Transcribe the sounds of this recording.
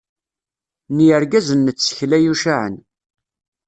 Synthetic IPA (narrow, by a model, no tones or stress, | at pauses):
niəɾɡæzənːət͡sːə̥çlæjuʃaʕə̰n